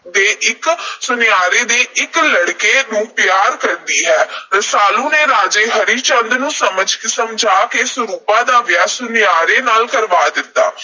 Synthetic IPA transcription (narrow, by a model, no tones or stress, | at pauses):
d̪eːʔɪksʊnɪjaːɾeːd̪eːʔɪkləɽkeːnũːpɪjaːɾkəɾd̪iːɦɛːɾəsaːlũːneːɾaːd͡ʒeːɦəɾiːt͡ʃə̃nd̪nũːsəməd͡ʒkɪsəmd͡ʒʱaːkeːsəɾuːpãːd̪aːʋjaːsʊnɪjaːɾeːnaːlkəɾʋaːd̪ɪt̪ːaː